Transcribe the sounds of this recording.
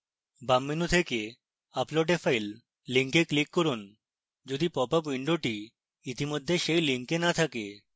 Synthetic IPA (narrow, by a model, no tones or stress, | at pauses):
bamːinut̪ʰeke | aploɖefʰajlː | iŋkeklikːɔɾun | d͡ʒod̪ipɔpapwiɳɖoʈi | it̪imod̪ʱːeʃejliŋkenat̪ʰake